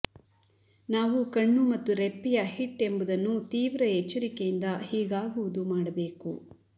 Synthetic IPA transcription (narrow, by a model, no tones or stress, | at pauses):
naːʋukɐɳːumɐt̪ːuɾepːijɐɦiʈːe̞mbud̪ɐnːut̪iːʋɾɐet͡ʃːɐɾikejind̪ɐhiːɡaːɡuʋud̪umaːɽɐbe̞ːku